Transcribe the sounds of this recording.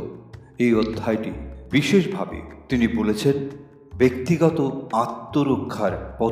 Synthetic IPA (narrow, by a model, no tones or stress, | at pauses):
ejot̪ʰːajʈḭbiʃeʃbʱabḛt̪inibolet͡ɕʰen | bekt̪iɡɔt̪oat̪ːoɾokʰːaɾpɔ